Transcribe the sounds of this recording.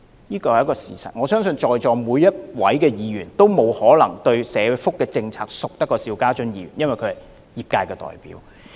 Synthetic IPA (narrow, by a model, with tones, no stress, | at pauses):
jiː˥kɔː˧hjɐ˥kɔː˧sḭː˨˩sɐ̰˨t̚ŋɔː˨˧sœː˥ŋsɵ˧nt͡ʃɔː˨jt͡ʃɔː˨muː˨˧jːɐ˥t̚wɐ̰˨˥jkɛː˧jiː˨˧ɥyː˨˩nt̪o˥wmo˨˧whɔː˨˥lɐ˨˩ŋt̪ɵ˧ɥsɛː˨˧fʊ˥kːɛː˧t͡sɪ˧ŋt͡sʰaː˧k̚sʊ˨k̚t̪ɐ˥kːɔː˧siː˧wkaː˥t͡ʃɵ˥njiː˨˧ɥyː˨˩njɐ˥nwɐ˨˩jkʰɵ˨˧hɐ˨˩j | jiː˨˩p̚kaː˧jkɛː˧t̪ɔ̰ː˨jpḭː˨˥w